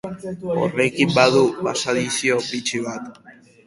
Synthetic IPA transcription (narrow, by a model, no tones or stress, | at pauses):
o̞̰re̞kimbaðuβa̰saðisiopit͡ʃiβ̞at̪